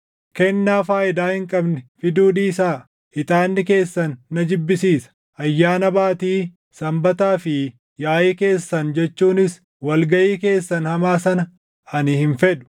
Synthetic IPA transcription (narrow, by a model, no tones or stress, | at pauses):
kɛnːaːfaːʔɪd̪aːhɪŋkʼɐbnɛfɪd̪uːd̪iːsaː | hɪt̪aːnːɪke̞ːsːɐnːɐd͡ʒɪbːɪsiːsɐ̥ | ɐjːaːnɐbaːt̪iː | sɐmbɐt̪aːfɪ | jaːʔeːke̞ːsːɐnd͡ʒɛt͡ʃːuːnɪs | wɐlɡɐʔiːke̞ːsːɐnhɐmaːsɐnɐ | ɐnɪhɪnfɛd̪ʊ̥